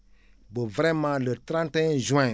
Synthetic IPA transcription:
bəvəɾɛmãlətɾãntɛ̃ʒũɛ̃

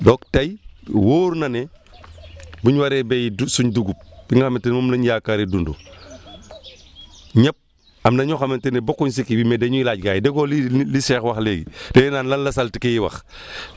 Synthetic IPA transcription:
dɔːktajwoːɾnane | buɲwaɾebejidusuɲduɡup̚b̥iŋɡaxamntenmomlaɲjaːkaɾedundṵ | ɲap̚ | amnaɲoxamentenebokuɲs̬ikibimedeɲuilaːɟɡaːjideɡoːlilisɛxwaxleɡḭdenenaːnlanlasaltikejiwa̰x

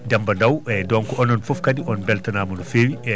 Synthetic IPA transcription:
dambadawɛdɔnkɔɔnɔnfɔfkadiʔɔnbɛltanaːmɔnɔfeːwiɛ

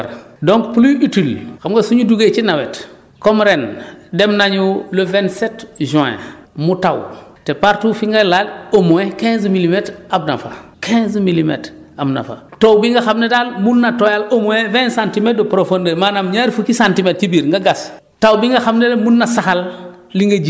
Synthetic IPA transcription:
ɾdõŋkpliitilxamɡasuɲuduɡet͡ʃinawet | komɾendemnaɲuləvɛntsetʒuɛ̰̃mutawtepaɾtufiŋɡalalomoẽkɛ̃nzmilimetɾabna̰fa̰kɛ̃zmilimḛt | amna̰fa̰towbiŋɡaxamnedalmunːatojalomoẽvɛ̃sãntimet̚dopɾofondemanamɲaɾfukisãntimet̚ːibiɾŋɡaɡas | tawbiŋɡaxamnelemunːasaxal | liŋɡad͡ʒi

